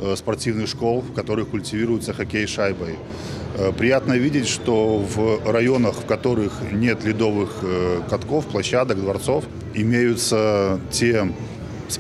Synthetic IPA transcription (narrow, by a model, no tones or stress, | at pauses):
spɐrtʲivnɨxʂko̞lˠfkɐt̪o̞ɾɨxkʊlʲtʲɪvʲiɾʊjʊt̪səxɐkʲejɪʂajbəj | pɾʲɪjat̪nəvʲidʲɪtʲʂt̪ovrɐjo̞nəxfkɐt̪o̞ɾɨxnʲe̞t̪lʲɪd̪o̞vɨxkɐt̪ko̞fplˠɐɕːad̪əkd̪vɐrt̪so̞f | ɪmʲejʊt̪sətʲe | s